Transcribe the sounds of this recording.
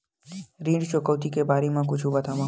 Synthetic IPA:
ɾĩːɖt͡ʃokəʋt̪ikebaɾimãkʊt͡ʃʰũbət̪ʰaʋã

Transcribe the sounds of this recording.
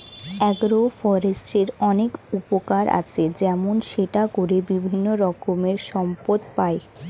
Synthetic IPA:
ɛɡɾofɔɾesʈeɾɔnekupokaɾʔa̰t͡ɕʰed͡ʑɛmonʃeʈakoɾebibʱinːoɾɔkomeɾʃɔmpod̪pae

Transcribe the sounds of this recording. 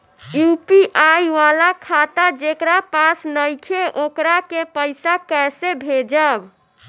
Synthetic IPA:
jupiʔajʋalakʰat̪ad͡ʒekɾapasnəjkʰeʔokɾakepəɪsakɛsebʱed͡ʒəb

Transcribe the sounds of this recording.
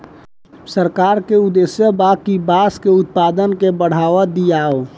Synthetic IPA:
səɾkaːɾkeud̪esjəbakibaskeʊt̪̚pad̪ənkebəɽ̤aʋad̪ijao

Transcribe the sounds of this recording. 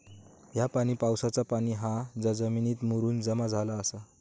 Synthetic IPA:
ɦjapaɽ̃ipawsat͡sapaɽ̃iɦãd͡zad͡zəminiːt̪muɾuːnd͡zəmad͡zʱalaəsa

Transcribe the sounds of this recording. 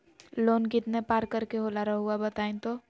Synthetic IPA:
loːnkɪt̪nepaːɾkɐɾkeɦoːlaːɾaɦʊabɐt̪aːẽt̪oː

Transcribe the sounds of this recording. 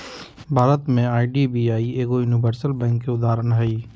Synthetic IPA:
bʱaːɾət̪mẽaːiɖibiaːieːɡojunɪbəɾsəlbɛ̃ːŋkːeʊd̪aːɾənɦɐiː

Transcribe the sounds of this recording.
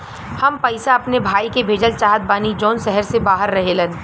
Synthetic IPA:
hɐmpɐɪsaɐpnebʱaːikebʱeːd͡ʒəlt͡ʃaːɦət̪̚baːnid͡ʒɔːnsɛɦəɾsebaːɦəɾːɐɦelən

